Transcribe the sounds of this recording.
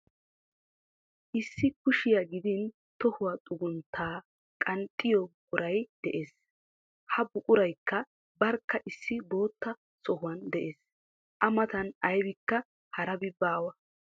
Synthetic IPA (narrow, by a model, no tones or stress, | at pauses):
ʔɪsːɪkʊʃɪjɐɡɪd̪ɪn | t̪ɔhʊwat̪ʼʊɡʊnt̪ʰːaː | kʼɐnt̪ʼːɪjɔbkʼʊɾɐjd̪̥ɛʔe̞ːs | hɐbʊkʼʊɾɐjkːɐ | bɐɾkːɐʔɪsːɪbo̞ːt̪ːɐ | sɔhʊwɐnd̪ɛʔeːs | ʔɐmɐt̪ɐnɐjbɪkːɐ | hɐɾɐbɪbaːwɐ